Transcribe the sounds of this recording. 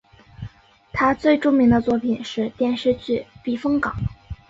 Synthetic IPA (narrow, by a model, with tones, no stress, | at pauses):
t̪ʰa˥t͡swe˥˧ɪʈ͡ʂu˥ŋmi˧˥ŋd̪ə˧t͡swɔ˥˩pʰi˨˩nʂɻ̩˥˧t̪jɛ˥˧nʂɻ̩˥˧t͡ɕy˥˩pi˨˩fɤ˥ŋkɑ˨˩˦ŋ